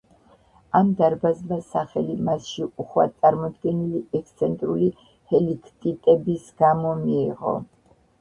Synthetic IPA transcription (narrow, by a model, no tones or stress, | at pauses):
amd̪aɾbazbasaχɛlimasʃiuχwa̰t̪sʼaɾmɔd̪ɡɛniliɛkst̪sʰɛnt̪ʼɾuli | hɛlikʰt̪ʼit̪ʼɛbisɡ̥amɔmiːʁɔ̰